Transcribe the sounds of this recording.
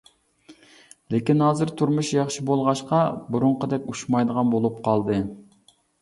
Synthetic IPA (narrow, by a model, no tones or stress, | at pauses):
lekʲinhɑːzɨɾt̪ʰuɾmuʃjɑχʃibolˠʁɑʃqɑbuɾʊɴqəd̪ɛkʲuʃmɑjd̪əʁɑnbolˠup̚qʰɑlˠd̪ɨ